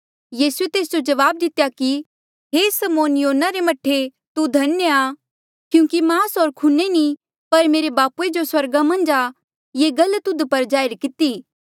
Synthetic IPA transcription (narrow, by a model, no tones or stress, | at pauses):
jiːsuet̪eːs̬d͡ʒod͡ʒɐʋaːb̚d̪ɪt̪jaki | ɦesɐmoːnjoːnaɾemɐʈʰːe | t̪ud̪ʱɐnjəa | kjũːkimaːsoːɾkʰuneni | pɐɾmeːɾebaːpued͡ʒoswɐɾɡamɐ̃nd͡ʒa | jeɡɐlt̪ʊd̪pɐɾd͡ʒaːɪɾkɪt̪iː